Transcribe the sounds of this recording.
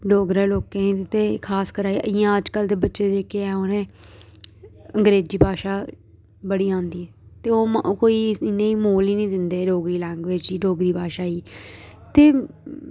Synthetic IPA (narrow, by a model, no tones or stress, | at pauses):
ɖoːɡɾẽːloːkẽĩːt̪eːkʰaːskəɾaːiəãːəd͡ʒkəld̪eːbətːʃeːd͡ʒeːkeɛːoːnẽː | əŋɡɾeːd͡ʒiːbʱaːʃaː | bəɽiːãːnd̪iːɛːt̪eːoːkoːiːɪnːẽːiːmoːliːnĩːd̪ɪnd̪eːɖoːɡɾiːlɛ̃ːŋɡʋeːd͡ʒiːɖoːɡɾiːbaːʃaːiːt̪eː